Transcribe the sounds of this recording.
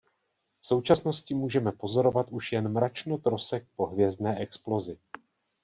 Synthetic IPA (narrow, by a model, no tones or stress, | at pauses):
fso̞wt͡ʃasno̞scɪmuːʒɛmɛpo̞zo̞ɾo̞vat̪ʔuʃjɛnmɾat͡ʃno̞t̪ɾo̞sɛk̚po̞ɦvjɛzdnɛːʔɛksplo̞zɪ